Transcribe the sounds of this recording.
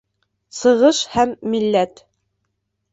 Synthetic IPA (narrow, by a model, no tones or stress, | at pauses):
sɤ̆ʁɤʃhæmːilːæt̪